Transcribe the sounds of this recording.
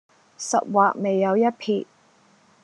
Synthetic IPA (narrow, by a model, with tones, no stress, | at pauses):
sɐ̰˨t̚waː˨k̚me˨jːɐ˨˧wjɐ˥t̚pʰiː˨˩t̚